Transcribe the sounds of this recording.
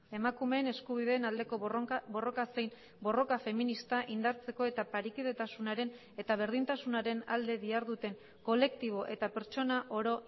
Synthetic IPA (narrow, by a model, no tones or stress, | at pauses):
e̞makume̞ːne̞skuβ̞iðe̞ːnald̪e̞ko̞bo̞ro̞kase̞jn | bo̞ro̞kafe̞minist̪aʔind̪aɾt͡se̞ko̞e̞t̪apaɾikiðe̞t̪asunaɾe̞n | e̞t̪aβ̞e̞ɾð̞int̪asunaɾe̞na̰ld̪e̞βiaɾðut̪e̞ŋ | ko̞le̞kt̪iβ̞o̞ʔe̞t̪ape̞ɾt͡ʃo̞naʔo̞ɾo̞